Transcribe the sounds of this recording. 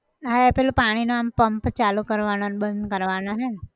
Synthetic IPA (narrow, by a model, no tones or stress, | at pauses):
ɦapelupaɽ̃inoampəmpt͡ʃalukəɾʋanonbə̃nd̪ʱkəɾʋanoɦe